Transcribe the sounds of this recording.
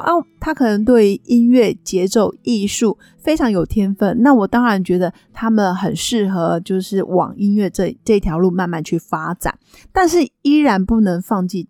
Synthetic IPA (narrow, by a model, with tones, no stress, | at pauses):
ʔa˥˩t̪ʰa˥kʰɤ˨˩nə˧˥ŋt̪̬we˥˩y˧˥ʔi˦˥nɥɛ˥˩t͡ɕjɛ˧˥ʈ͡ʂo˥˩ʊi˥˧ʂu˥˩ | fe˥ɪʈ͡ʂʰɑ˧˥ŋjo˨˩ʊt̪ʰjɛ˥nfə˥˩nna˥˩wɔ˨˩t̪ɑ˥ŋɻa˧˥nt͡ɕɥɛ˧˥d̪ə˨ | t̪ʰa˥mə˨nxə˨˩nʂɻ̩˥˩xɤ˧˥˦t͡ɕjo˥˧ʊʂɻ̩˥˩wɑ̰˨˩ŋi˥nɥɛ˥˧ʈ͡ʂʈ͡ʂɤ˥˧i˩t̪ʰjɑ˧˥ʊlu˥˧ma˥˧nma˥˧nt͡ɕʰy˥˩fa˥t͡sa̰˨˩˦n | t̪a˥˧nʂɻ̩˥˩i˥ɻa˧˥npu˥˩nɤ˧˥ŋfɑ˥˧ŋt͡ɕi˥˩